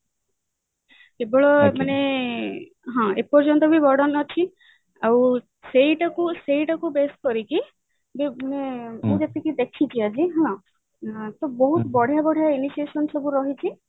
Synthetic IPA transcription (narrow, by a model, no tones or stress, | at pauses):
kebɔɭɔmane | ɦɔ̃epɔɾd͡ʒɔnt̪ɔbʱibɔɾɖɔnɔt͡ʃʰi | aw | seiʈakuseiʈakubes̚kɔɾiki | bemaneed͡ʒat̪ikid̪ekʰit͡ʃʰiad͡ʒʰiɦɔ̃ | t̪ɔbɔɦut̪ɔbɔɽ̤ʱjabɔɽ̤ʱijainisiesɔnsɔbuɾɔɦit͡ʃʰi